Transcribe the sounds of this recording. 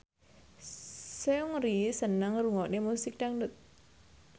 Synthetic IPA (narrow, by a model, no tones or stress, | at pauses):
seuŋɾisənəŋruŋɔʔnemusɪk̚ɖaŋdət̪̚